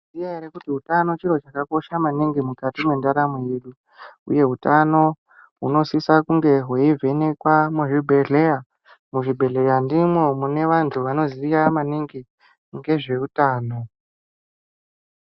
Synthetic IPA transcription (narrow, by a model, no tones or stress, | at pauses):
zijaeɾekutiutano̞t͡ʃiro̞t͡ʃakako̞ʃamaniŋɡimukatimwe̞ndaɾameje̞ɗu | ṵje̞ɦutano̞ | ɦuno̞sisakuŋɡe̞ɦweivʱe̞ne̞kwamuʐibʱe̞ɮe̞ja | muʐibʱe̞ɮe̞jandimwo̞mune̞ʋantʰuʋano̞ziijamaniŋɡi | ŋɡe̞ʐe̞utaːno